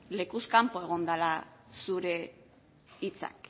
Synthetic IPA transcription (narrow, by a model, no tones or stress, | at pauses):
le̞kuskampo̞e̞ɣ̞o̞nd̪alasuɾe̞ | it͡sa̰k